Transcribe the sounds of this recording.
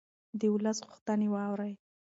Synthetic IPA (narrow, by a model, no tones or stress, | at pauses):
d̪əwʊləsɣʊxt̪ənewɑwɾaj